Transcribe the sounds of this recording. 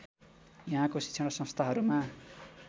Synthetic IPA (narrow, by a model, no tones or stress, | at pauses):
jaɦãkosi̥sʰʌɽʌsʌ̃st̪ʰaɦʌɾuma